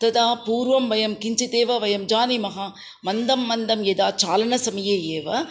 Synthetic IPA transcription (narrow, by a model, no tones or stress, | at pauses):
t̪ɐd̪aːpuːɾʋɐmʋɐjɐmkɪɲd͡ʒit̪eːʋɐʋɐjɐmd͡ʒaːnimɐɦaː | mɐnd̪ɐmːɐnd̪ɐmjed̪aːt͡ʃaːlɐnɐsɐmɐjejeːʋɐ